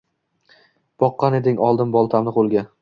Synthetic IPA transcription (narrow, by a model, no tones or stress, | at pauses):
b̥ɒqːɑne̞d̪ɪŋɒlˠd̪ɪnbɒlˠt̪ʰamnɨqolˠɡʲan